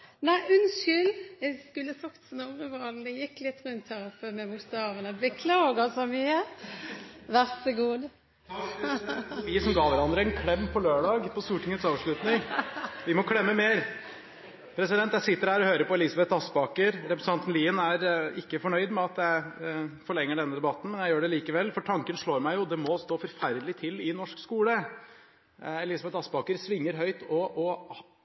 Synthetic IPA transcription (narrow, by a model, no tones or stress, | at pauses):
næɪʔʉnʃʏljæɪskʉlːəsɑkt̪snɔɾəʋɑld̪ɛjɪkːlɪt̪ːɾʉnt̪ʰhɑɾfømɛmʊst̪ɑːʋənəbəkʰlɑːɡɑsɔmyːə | ʋæʁsəɡuːd̪ | ɪsɔmɡɑːʋæɾɑnd̪ɾəɛnkʰlɛmːpʰɔløːɖɑːɡpʰɔst̪uːʈʰɪŋət̪sɑːʋʂɭʉt̪nɪŋʋɪmɔkʰlɛmːəmeːɾ | pʰɾɛsɪd̪ɛnt̪jæɪsɪt̪ːəɾhæːɾɔhøːɾəɾpɔɛliːsɑbɛt̪ɑsbɑːkəɾɾɛpɾɛsəɑnt̪n̩liːənæɾɪkːəfɔɳœʏd̪mɛɑt̪jæɪfɔɭɛŋːəɖɛnːəd̪ɛbɑt̪ːn̩mɛnjæɪjøːɖɛliːkəʋɛlːfɔʈʰɑŋkənʂɭoːɾmæɪjʊd̪ɛmɔst̪oːfɔɾfæɾd̪əlɪt̪ʰɪlːɪnɔʂkskuːlə | ɛlɪːsɑbɛt̪ɑsbɑːkəɾsʋɪŋːəɾɦœʏt̪ɔʔɔ